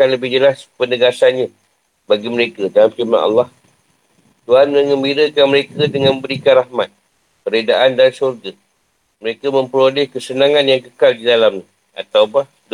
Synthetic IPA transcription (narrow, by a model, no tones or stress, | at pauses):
anləbɪhd͡ʒəlaspənəɡasanɲa | baɡiməɾekədalamt͡ʃima̰nʔɑ̰lːɑh | t̪uanmə̃ŋəmbiɾəkanməɾekədəŋanmbəɾikanrahmat̪̚ | kəɾedaʔandansurɡa | məɾekəmə̃mpəɾolɛhkəsənaŋanjaŋkəkaldidalamɲa | a̰t̪awbah | d